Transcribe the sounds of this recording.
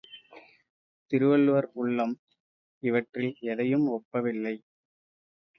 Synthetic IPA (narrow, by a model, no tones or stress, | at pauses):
t̪ɪɾɯʋɐɭɯʋɐɾʊɭːɐm | ɪʋɐʈrɪlɛðɐjɯmɔpːɐʋɪlːɐɪ